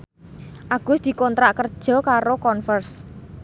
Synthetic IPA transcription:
ʔaɡ̥ʊ̤sd̪̥i̤kɔnt̪ɾaʔkərd̥ʒ̥ɔ̤kaɾokɔnfərs

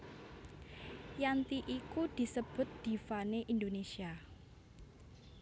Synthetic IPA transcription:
jant̪iʔikud̪̥i̤səb̥ʊ̤t̪̚d̪̥i̤faneʔind̪onesia

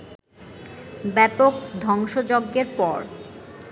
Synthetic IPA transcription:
bɛpok̚d̪ʱɔŋʃod͡ʑoɡːeɾpɔɾ

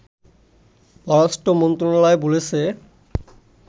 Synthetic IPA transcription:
bɔɾasʈomont̪ɾonɔlaebolet͡ɕʰe

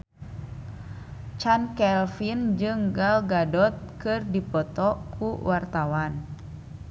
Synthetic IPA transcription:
t͡ʃankɛlfind͡ʒɨŋɡalɡadɔt̪̚kɨrdipɔt̪ɔkʰuwʔart̪awan

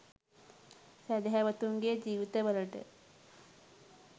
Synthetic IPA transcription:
sæd̪eɦæʋət̪uŋɡed͡ʒiːʋit̪eʋələʈə̰

